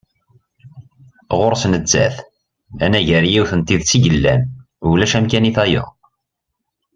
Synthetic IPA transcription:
ʁʊɾsnət͡sːæ̰θ | ænæʝəɾjiwθənt̪iðt͡sːiʝəlːæn | ulæʃæmkæniθæjʊ̰

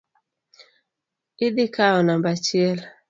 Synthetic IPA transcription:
ɪd̪ɪkaɔnambat͡ʃɪɛl

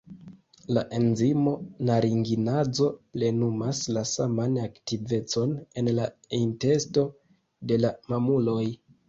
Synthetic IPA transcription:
laʔe̞nzimo̞naɾiŋɡinad͡zo̞ple̞numaslasamanaktive̞t͡so̞ne̞nla | inte̞sto̞ | de̞lamamulo̞j

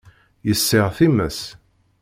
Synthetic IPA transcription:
jəsːɪʁθimə̰s

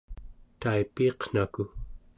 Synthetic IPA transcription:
t̪aipiːqn̥aku

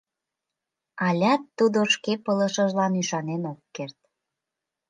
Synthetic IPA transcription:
ɑlʲɑt̪ːud̪oʃkepələ̆ʃəʒlɑnyʃɑnenokːert̪̚

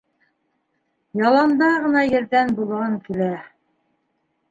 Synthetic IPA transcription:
jɑlˠɑnd̪ɑʁɤ̆nɑjɘ̆ɾðænbulˠɑŋkilæ

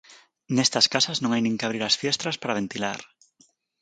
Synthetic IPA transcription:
nest̪askasaznõŋajnĩŋkaβ̞ɾiɾasfjest̪ɾaspaɾaβ̞ent̪ilaɾ

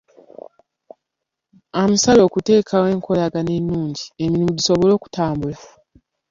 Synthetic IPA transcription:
amusalo̞ːkute̞ːkʰawe̞ːŋkʰo̞laɡanenːuːɲɟie̞milimuɟiso̞βo̞lo̞ːku̥taːmbula

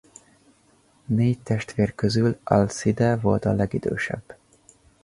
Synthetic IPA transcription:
neːct̪ɛʃt̪ʋeːrkøzylɒlsid̪ɛvo̞lt̪ɒlɛɡid̪ø̰ːʃɛ̰bː

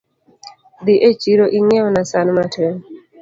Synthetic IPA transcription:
d̪iʔet͡ʃiɾoʔiŋɛwnasanmatʰeŋ

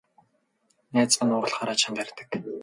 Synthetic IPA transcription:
næːt͡spə̆nʊːʁə̆ɮχaːɾat͡ɕə̆nt̪æɾʲt̪ə̥̆k

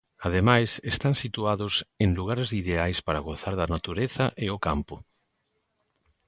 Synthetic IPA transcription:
að̞emajsest̪aŋsit̪uaðʊsẽŋluɣaɾezðiðeajspaɾɐɣoθaɾðɐnat̪uɾeθɐʔeokampʊ

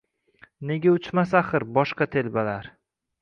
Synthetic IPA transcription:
ne̞ɡʲaʊt͡ʃmasaχɨɾbɒʃqɑt̪ʰe̞lbalaɾ

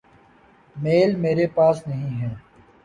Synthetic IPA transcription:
meːlmeːɾepaːsnɐɦĩːɦɛː

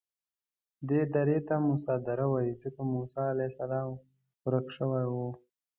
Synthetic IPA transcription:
d̪ed̪aɾet̪amʊsɑd̪aɾawajizəkamusɑːlasalɑm | xɾəkʂəwajwu

